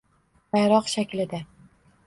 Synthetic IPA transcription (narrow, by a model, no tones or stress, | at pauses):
bajɾɒqʃakʲlɪd̪a